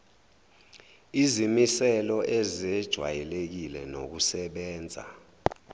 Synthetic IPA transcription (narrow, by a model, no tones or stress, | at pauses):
izimisɛlɔʔɛzɛd̥ʒ̥ʱwa̰jɛlek̬ilɛno̰k̬usɛɓɛːnd͡zʱa̰